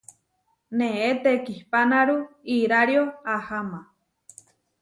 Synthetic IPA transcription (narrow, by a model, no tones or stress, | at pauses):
nẽet̪ekihpanaɾuiɾaɾjoahama